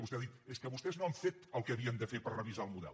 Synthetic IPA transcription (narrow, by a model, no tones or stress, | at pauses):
βustɛaðit̪eskəβust̪ɛznoəɱfet̪əlˠkəəβiənd̪əfepəɾrəβizaəlˠmuðɛ̰l